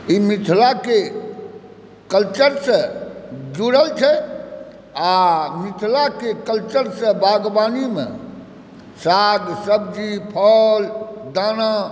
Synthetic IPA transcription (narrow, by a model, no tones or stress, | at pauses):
imit̪ʰlake | kəlt͡ʃəɾsə̃d͡ʒuɾəlt͡ʃʰɛ | amit̪ʰlakekəlt͡ʃəɾsə̃baɡbanimḛ̃ | saɡsəbd͡ʒipʰəld̪ana